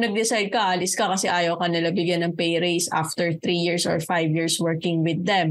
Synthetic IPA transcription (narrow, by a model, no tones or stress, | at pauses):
nɐɡ̚d̪ɪsajd̪̚kɐʔaːlɪskɐkɐsɛʔaːjɐwkɐnɐlɐbɪɡjɐnːɐŋpɛjɾejsʔa̰ft̪ɛɹθɾijiɹsɔ̰ɹfajvjiɹswɛɹkɪŋwɪd̪ːɛm